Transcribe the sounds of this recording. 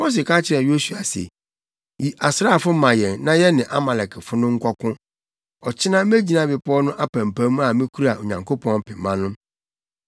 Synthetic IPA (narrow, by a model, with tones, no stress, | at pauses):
mo˦s̬ɪ˨kʰa˦t͡ɕʰɪ˨ɾɛ˨jo˦su˨a˨sḛ˨ | ji˨ʔa˨sɾa˦˨fʊ˦mã˨jɛ˨nnã˦jɛ˦nɪ̃˨ʔa˦ma˨lɛ˨kʰɛ˨fʊ˦nʊ̃˦ŋ̩˦kʷɔ˦kʰʊ̃˦ | ɔ˨t͡ɕʰɪ˦nã˦me˦d͡ʑi˦nã˦bɪ˨pʰʊ˦ɔ˦nʊ̃˦ʔa˦pã˨m˨pʰæ̃˨˦mũ˦a˨mɪ̃˦kʰu˦ɾa˨ʔo˨ɲã˨ŋkʰo˦pʰɔ̃˦npʰɪ˨mːã˦nʊ̃˦